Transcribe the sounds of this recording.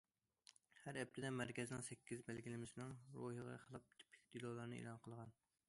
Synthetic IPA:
hæɾɛp̚t̪ʰɪd̪ɛmæɾkʲɛzɪnɪŋsɛkʲʰːizbælɡʲilɪmɪsɪnɨŋɾo̰hɨʁɑ̰χəlˠɑp̪̚ʰɪ̥pʰːkʲd̪̥ilˠɑlˠɑɾnɨḛlˠɑnqʰəlˠʁɑn

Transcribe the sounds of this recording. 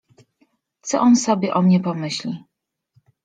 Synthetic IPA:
t̪sɔ̰ʔɔnsɔbʲjɛʔɔmɲɛpɔmɘɕlʲi

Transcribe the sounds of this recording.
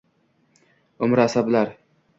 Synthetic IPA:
ʊmɾasablaɾ

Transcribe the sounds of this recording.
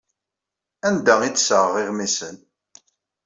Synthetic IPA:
ænd̪æit͡sːsəʁəʁɪʁmisən

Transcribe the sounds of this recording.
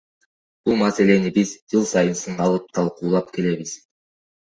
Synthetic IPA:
b̥ulˠmase̞le̞nibizd͡ʒɯlˠsɑjɯnsɯɴɢɑlˠɯp̚t̪ʰɑlˠquːlˠɑp̚ke̞le̞βiz̥

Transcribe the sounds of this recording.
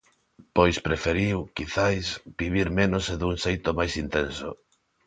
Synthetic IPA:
pojspɾefeɾiwkiθajsbiβ̞iɾmenoseðuŋsejt̪omajsint̪enso̰

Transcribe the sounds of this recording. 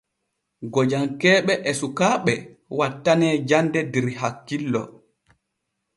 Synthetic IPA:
ɡɔd͡ʒaŋkɛːɓɛʔɛsukaːɓɛ | watːanɛːd͡ʒandɛdiɾiɦakːilːɔ̰

